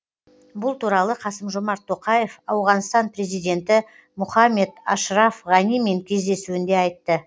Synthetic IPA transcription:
bʊlˠt̪ʰuɾɑlˠəqʰɑsəmʒomɑɾt̪ʰːo̞qɑje̞fɑwʁɑnst̪ɑnpɾe̞zijd̪e̞nt̪ɪ | mʊχɑmːe̞d̪ɑʃɾɑfʁɑnijme̞ŋkʲʰe̞zd̪e̞suɪnd̪e̞ɑjt̪ːə

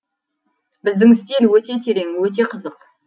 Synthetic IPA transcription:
bɪzd̪ɪŋɪst̪e̞nwɵt̪e̞t̪ʲʰe̞ɾe̞ŋwɵt̪̬e̞qʰəzəq

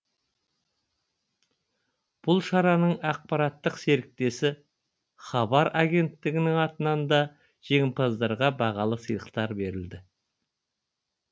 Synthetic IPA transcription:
b̥ʊlˠʃɑɾɑnəɴɑq̚pɑɾɑt̪ːəqse̞ɾɪk̚t̪e̞sɪ | χɑbɑɾaɡʲe̞nt̪ːɪɡʲɪnɪŋɑt̪ənɑnd̪ɑ | ʒ̥e̞ŋʲmpʰɑzd̪ɑɾʁɑbɑʁɑlˠəsijlˠəqt̪ɑɾbe̞ɾɪld̪ɪ

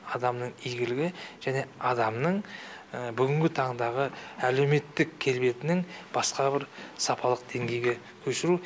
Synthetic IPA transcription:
ɑd̪ɑmnəɴijɡʲɪlɪɡʲɪʒ̥æne̞ɑd̪ɑmnəɴəbʏɡʲɪŋɡʲɪt̪ʰɑɴd̪ɑʁəæle̞wme̞t̪ːɪkʲʰːe̞lbe̞t̪ɪnɪŋb̥ɑsqɑbɪɾsɑpʰɑlˠəq̚d̪̥e̞ŋɡʲe̞jɡʲe | kʲʰɵʃɪɾu

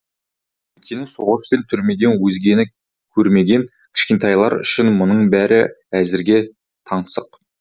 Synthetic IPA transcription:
wɵkʲenɪso̞ʁəspe̞nt̪ʰʏɾme̞d̪ʲe̞nwɵzɡʲe̞nɪ | kʲʰɵɾme̞ɡʲe̞ŋ | kʲʰɪ̥ʃkʲe̞nt̪ɑjlˠɑ̰ɾʏ̰ʃɪnmʊnəɴbæɾɪ | æzɪɾɡʲe̞ | t̪ʰɑɴsəq

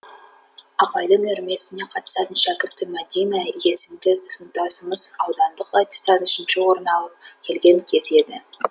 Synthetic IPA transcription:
ɑpɑjd̪əŋɵɾme̞sɪne̞qʰɑt̪ə̥sɑt̪ənʃækʲɪɾt̪ːɪmæd̪ijnɑje̞sɪmd̪ɪzənt̪ɑsəməzɑwd̪ɑnd̪əqɑt̪ɪ̥st̪ɑnʏʃɪnʃɪwo̞ɾənɑlˠəp̚kʲʰe̞lɡʲe̞ŋkʲʰe̞ze̞d̪ɪ

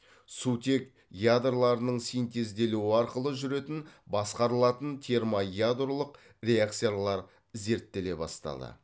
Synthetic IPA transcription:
sut̪ʲe̞k | jad̪rlˠɑɾənəɴsijnt̪e̞zd̪e̞luɪɑɾqəlˠəʒʏɾe̞t̪ɪnbɑsqɑɾəlˠɑt̪ənt̪ʲʰe̞ɾmajad̪rolˠəq | rʲe̞akt̪sijalˠɑɾ | ze̞ɾt̪ːe̞le̞bɑ̰st̪ɑ̰d̪ə̰

